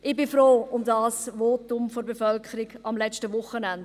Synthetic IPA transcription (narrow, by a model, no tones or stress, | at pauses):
ʔɪbɪfɾoːʊmdaːsʋoːtʊmfoɾbefœlkʰəɾiɡɑmlɛt͡stəʋʊχːənænd